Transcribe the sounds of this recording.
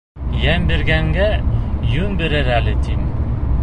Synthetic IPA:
jæmbɘ̆ɾɡæŋɡæjʉnbɘ̆ɾɘɾælɘt̪ʰim

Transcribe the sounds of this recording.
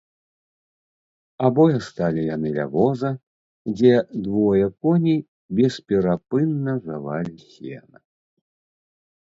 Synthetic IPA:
abɔjɛst̪alʲijanɨlʲa̰vɔzɐ | d͡zʲɛd̪vɔjɐkɔnʲi | bʲɛspʲɛɾapɨnːɐzavalʲisʲɛ̰nɐ

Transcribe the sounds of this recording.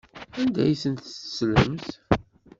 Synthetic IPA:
ænd̪æ̰jsənt̪slə̰mθ

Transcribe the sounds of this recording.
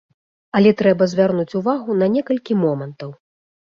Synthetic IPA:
ɐlʲɛt̪ɾɛbɐzʲvʲarnut͡sʲuvaɣunɐnʲɛkɐlʲkʲimɔmɐnt̪ɐw

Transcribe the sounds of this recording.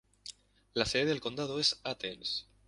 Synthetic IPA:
laseðeðelko̞nd̪að̞oe̞sat̪ens

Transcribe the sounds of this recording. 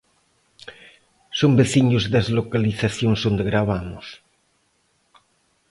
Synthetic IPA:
sombeθiɲʊzðazlokaliθaθjoŋzond̪eɣɾaβamʊs

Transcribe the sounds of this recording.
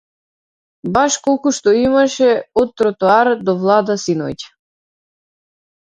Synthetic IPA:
baʃkɔlˠkuʃt̪ɔimaʃɛɔt̪ːɾɔt̪uaɾd̪ɔvlˠad̪asinɔ̰jcḁ

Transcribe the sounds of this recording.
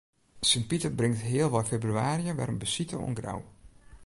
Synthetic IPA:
sənpitəbrɪŋtɦɪəlˠʋɔjfebryaːɾiəʋɛ̰rəmbəsitə̰ɔ̰nɡra̰w

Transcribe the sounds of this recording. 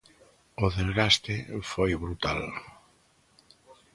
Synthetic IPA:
ʊðezɣast̪ɪfojβɾut̪al

